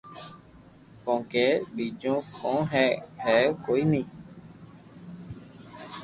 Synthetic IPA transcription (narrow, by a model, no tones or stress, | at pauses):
kɔ̃kebid͡ʒõkɔ̃ɦɛhɛkoinĩ